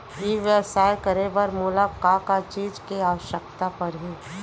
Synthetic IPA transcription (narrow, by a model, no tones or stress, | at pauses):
ɦiʋjəsaːjkɐɾebɐɾmuːlab̚kakat͡ʃiːd͡ʒkeaːʋəʃək̚t̪apɐɾɦiː